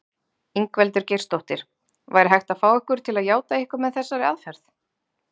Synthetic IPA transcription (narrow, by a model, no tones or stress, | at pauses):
iŋkvɛlt̪ʏɾ̥cejr̥st̪owht̪ɪɾ̥ | vajɾɪɦajht̪afaːwɛhkʏɾ̥t̪ʰɪlaðjaːwt̪aɪhkaɾmɛðθɛsːaɾɪaðfɛɾθ